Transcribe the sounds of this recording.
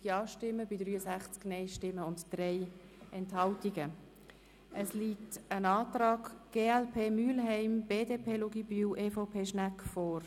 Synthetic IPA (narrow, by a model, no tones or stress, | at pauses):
ɡ̥iɑːʃtɪmːəb̥ɪdɾryːəsæχt͡sknɛɪʃtɪmːəʊntd̥rɛɪɛnthɑltiɡə | ʔəsliːtənɑːtrɑːɡɡ̥eːɛlpʰeːmyːlɦɛɪmb̥eːdeːpʰeːluɡibyːʔeːfopʰeːʃnækfɔːr